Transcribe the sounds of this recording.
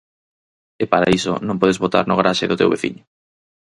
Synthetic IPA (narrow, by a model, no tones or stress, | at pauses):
epaɾa̰iso̰nõmpɔðezβot̪a̰ɾnʊɣaɾaʃeðʊt̪ewβeθḭɲʊ